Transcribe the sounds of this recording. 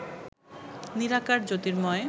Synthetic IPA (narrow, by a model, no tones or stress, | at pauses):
niɾakaɾd͡ʑot̪iɾmɔe